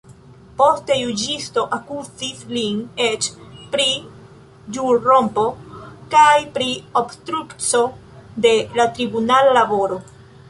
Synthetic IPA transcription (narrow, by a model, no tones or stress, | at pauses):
po̞ste̞jud͡ʒisto̞ʔakuzisline̞t͡ʃpɾi | d͡ʒuɾɾo̞mpo̞kajpɾiobstɾukt͡so̞ | de̞latɾibunalalabo̞ɾo̞